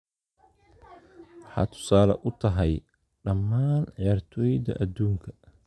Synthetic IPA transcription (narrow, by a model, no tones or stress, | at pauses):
wħɑ̰ːt̪ʰʊ̥saːlɐ̰ʔʊt̪ʰɐɦɛj | ɖɐmːaːnʕjaːrt̪ʰɔːjd̪ɐ̰ʔɐd̪uːŋkʰɐ̥